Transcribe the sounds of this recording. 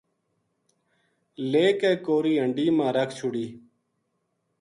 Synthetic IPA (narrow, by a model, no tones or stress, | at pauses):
leːkeːkoːɾiːəɳɖiːmãːɾəkʰt͡ʃʰʊɽiː